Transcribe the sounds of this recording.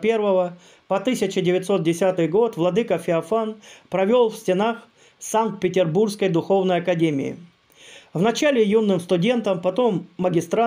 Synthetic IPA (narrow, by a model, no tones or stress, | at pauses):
pʲervəvə | pɐt̪ɨsʲɪt͡ɕɪdʲɪvʲɪt̪so̞t̪̚dʲɪsʲat̪ɨjɡo̞t̪vlˠɐd̪ɨkəfʲɪɐfanpɾɐvʲo̞lˠfsʲtʲɪnax | sank̚t̪̚pʲɪtʲɪrburskəjd̪ʊxo̞vnəjɐkɐdʲemʲɪ̰ɪ̰ | vnɐt͡ɕalʲɪjunːɨmst̪ʊdʲe̞nt̪əmpɐt̪o̞mːəɡʲɪst̪ɾa